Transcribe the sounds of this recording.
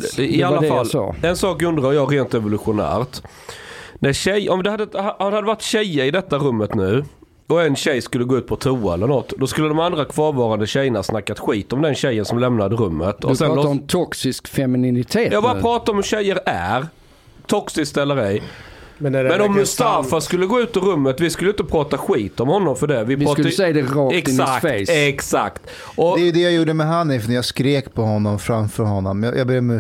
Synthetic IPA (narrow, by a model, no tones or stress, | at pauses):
ɪalːafalːɛnsɑːkɵnd̪ɾœjɑːɾeːnt̪ɾɛvʊlɵɧʊnæ̰ːɾt̪ | næɾɕɛjʔɔmd̪ɛhad̪ːəhad̪ɛhad̪ːəvaʈːɕɛjːəɾɪd̪ɛt̪ːaɾɵmːət̪nʉ̟ː | ɔɛnɕɛjskɵlːəɡoːʉt̪̚pʰɔt̪ʰuːaɛlːəɾɳɔt̪ːd̪ɔskɵlːəd̪ɔmand̪ɾakʰv̥ɑːɾvɑːɾand̪əɕɛjːənahasnakːat̪ɧiːt̪ɔmd̪ɛnɕɛjːənsɔmlɛmnad̪əɾɵmːət̪ʰɔsɛnɔmt̪ʰɔksɪskfɛmɪnɪnɪt̪ʰeːjɑːɡbɑɾapʰɾɑːt̪aɾɔmhʉɕɛjːəɾæ̰ɾ | t̪ʰɔksɪskt̪ɛlːəɾɛjmɛmɛnɔmːʊst̪aːfaskɵlːəɡoːʉ̟ːt̪ɪɾɵmːət̪vɪskɵlːəɪnt̪əpʰɾɑːt̪aɧiːt̪ɔmhɔnːɔmfœɖɛvɪpɑːɛd̪ɛɾɔɛaɛksakt̪ | ʔɔd̪ɛjəd̪ɛjajuːɖəmɛɦanːɪfnjaskɾeːkpʰɔhɔnːɔmfɾamfœɾhɔnːɔmj̰jabɛmɛ